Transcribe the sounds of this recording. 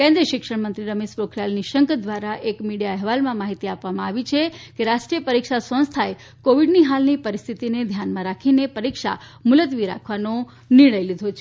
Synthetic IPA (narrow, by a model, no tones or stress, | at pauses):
kẽnd̪ɾiəʃɪkʂəɽmənt̪ɾiɾəmeʃpɾokʰɾjalniʃəŋkd̪ʋaɾaʔekmiɽijaɛɦʋalmãmaɦit̪iapʋamãaʋit͡ʃʰekeɾaʃʈɾiəpəɾikʃasə̃nst̪ʰae | koʋiɖniɦalnipəɾist̪ʰit̪ined̪ʱjanmãɾakʰinepəɾikʃa̰ | mʊlət̪ʋiɾa̰kʰʋano | niɭəjlid̪ʱot͡ʃʰe̥